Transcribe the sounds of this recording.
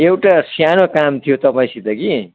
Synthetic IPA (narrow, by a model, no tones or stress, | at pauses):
ewʈasjanokamt̪ʰijot̪ʌpaĩsid̪ʌki